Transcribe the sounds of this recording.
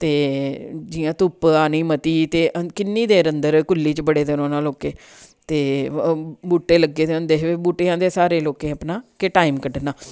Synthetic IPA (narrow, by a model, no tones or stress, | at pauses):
t̪eːd͡ʒɪjãːt̪ʊpaːniːmət̪iːt̪eːʔkɪnːiːd̪eːɾənd̪əɾkʊlːiːt͡ʃbəɽeːd̪enõːnaːloːkeː | t̪eː | buːʈːeːləɡːeːd̪eʊ̃nd̪eːɦʋeːbuːʈeãːd̪eːsaːɾeːloːkẽːəpnaːkeʈaːiːmkəʈnaː